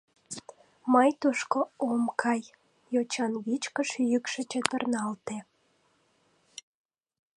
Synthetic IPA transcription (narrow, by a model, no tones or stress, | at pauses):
məjt̪uʃkoomkʰɑj | jot͡ɕɑnɣit͡ɕkəʃyjykʃet͡ɕet̪ərnɑlt̪e